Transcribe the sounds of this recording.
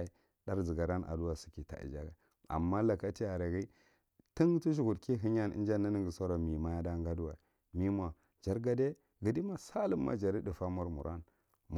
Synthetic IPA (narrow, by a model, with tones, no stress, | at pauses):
i˦ | da˦ɾd͡zi˨ɡa˨ɾa˦nʔa̰˨du˦wa˨si̥˨ki˨ta̰˨ḭ˨d͡ʒa˦ɡa˨ | a̰˨mːa˦la˨ka˦ti˦ja˨ɾa˨ɡi˦ | ti˦ŋ˦tu˦ʃu˨ɡu˨dki˦ɦi˦ɲ˦a˦nḭ˦nd͡ʒa˦nːa˦ni˦ɡi˨so˦ɾo˨mi˨ma˦ja˦da˦ŋɡa˦du˦wa˨ | mi˦mʷ˦a˨ | d͡ʒa˦ɾɡa˦de˦ | ɡi˨di˦ma˨sa˦lə˦mːa̰˨d͡ʒa˨ɾi˦di˨fa˦mu˦ɾmṵ˨ɾʔa˦n | m˦